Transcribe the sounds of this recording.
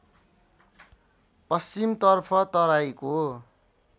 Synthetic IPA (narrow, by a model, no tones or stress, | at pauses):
pʌst͡simt̪ʌrpʰʌt̪ʌɾajko